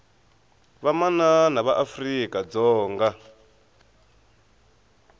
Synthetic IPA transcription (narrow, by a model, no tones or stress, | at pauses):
βamananaβaʔafrikʼad͡zɔːŋɡa